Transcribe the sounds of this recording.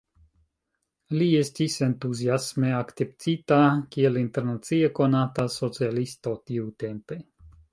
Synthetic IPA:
liest̪ise̞nt̪uziasmeakt̪ept͡sit̪akielint̪eɾnat͡sieko̞nat̪aso̞t͡sialist̪ot̪iut̪empe

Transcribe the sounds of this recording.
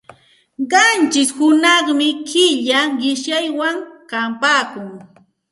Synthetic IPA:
ɢɑnt͡ʃɪshʊnɑχmɪkʰɪʎaɢɪʃjajwaŋkampaːkʊŋ

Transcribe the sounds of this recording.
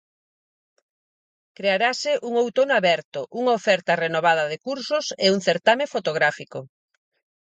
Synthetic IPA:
kɾeaɾasɪʔuŋowt̪onaβɛɾt̪ʊʔuŋaofɛɾt̪ɐrenoβaðɐðekuɾsʊseuŋθeɾt̪amẽfot̪oɣɾafiko

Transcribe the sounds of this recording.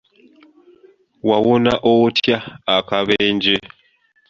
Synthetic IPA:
wawonaʔotjaːkaβeːɲd͡ʒe

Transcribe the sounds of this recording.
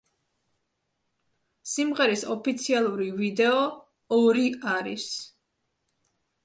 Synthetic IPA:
simʁɛɾisɔpʰit̪sʰialˠuɾivid̪ɛɔ | ɔɾiaɾḭs

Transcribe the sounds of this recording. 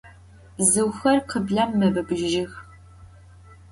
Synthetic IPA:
zɨwxɐrqəbɮɐmːɐbɐbɨʒʒɪx

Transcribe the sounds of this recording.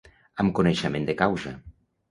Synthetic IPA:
amkoneʃemend̪ekawza

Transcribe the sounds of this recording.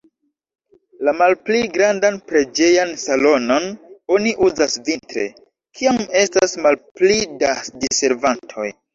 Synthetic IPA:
lamalpliɡɾandanpɾe̞d͡ʒe̞jansalo̞no̞no̞niʔuzasvintɾe̞̰ | kʰiame̞stasmalplidasdise̞ɾvantʰo̞̰j

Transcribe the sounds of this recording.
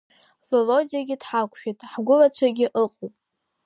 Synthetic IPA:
folozijaɡʲɪdħakʷʼʰʃᶣitʼħɡʷʊlat͡ɕʷʰaɡʲɪʔɨqʼopʼ

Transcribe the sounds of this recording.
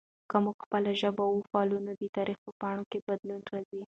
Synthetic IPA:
kamuɡxpəlaʒəbawufːlunad̪ət̪ɑɾixpəpɑɳokebad̪lunɾazi

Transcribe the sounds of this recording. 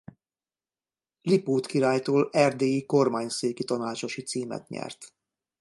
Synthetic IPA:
lipoːt̪kiɾaːjt̪oːlɛrd̪eːiko̞rmaːɲseːkit̪ɒnaːt͡ʃo̞ʃit̪siːmɛ̰t̪ɲɛ̰rt̪

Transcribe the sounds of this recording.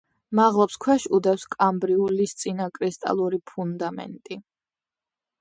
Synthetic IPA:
maʁlˠɔpskʰwɛʃud̪ɛfskʼambɾiulist̪sʼinakʼɾist̪ʼa̰lˠuɾipʰund̪amɛ̰nt̪ʼi

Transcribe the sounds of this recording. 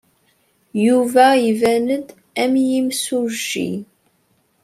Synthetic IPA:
juvæivænəd̪ | æmjimsuʒːḭ

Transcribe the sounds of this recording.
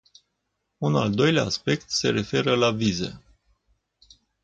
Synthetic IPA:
una̰ld̪o̞jlea̰ːspe̞k̚t̪se̞ɾe̞fe̞ɾəlavize̞̰

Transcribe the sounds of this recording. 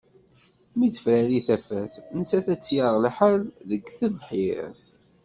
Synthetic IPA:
midəfɾæliθæfæθnsæθæt͡sːjəɾˤlħəlðəɡθəvħiɾ̰s

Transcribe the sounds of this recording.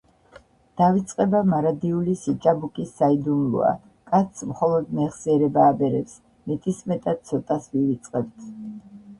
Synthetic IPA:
d̪̥avit̪sʼqʼɛbamaɾad̪iulisit͡ʃʼabukʼisːaid̪unlˠṵa̰ | kʼat̪smχɔlˠɔd̪mɛχsiɛɾɛbaːbɛɾɛps | mɛt̪ʼismɛt̪ʼad̪̥̚t̪sʰɔt̪ʼasvivit̪sʼqʼɛb̚t̪ʰ

